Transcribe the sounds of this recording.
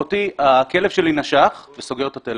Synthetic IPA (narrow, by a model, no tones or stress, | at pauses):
ot̪iakelev̥ʃelinaʃaχveso̞ɡeʁt̪at̪el